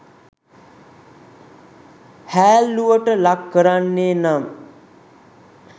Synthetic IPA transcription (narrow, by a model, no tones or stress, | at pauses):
hæːlːuʋəʈəlakːəɾanːeːnam